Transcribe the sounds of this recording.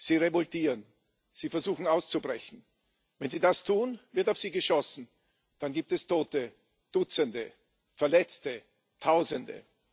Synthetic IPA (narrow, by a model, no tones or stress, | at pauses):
z̥iːʁevɔltiːʁən | z̥iːfɛɐzuːxn̩aʊst͡subʁɛçn̩ | vɛnziːdastʰuːnvɪɐtaʊfz̥iːɡəʃɔsn̩ | d̥anɡiːp̚tɛstʰoːtə | d̥ʊt͡səndə | fɛɐlɛt͡stə | tʰaʊzəndə̰